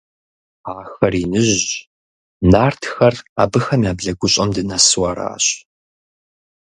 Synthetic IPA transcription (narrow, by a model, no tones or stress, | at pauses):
aːxɐriːnɨʑ | naːrtʰxɐraːbɨxɐmjaːbɮɐɡʷʊɕʼɐmdɨnɐswaːɾa̰ːɕ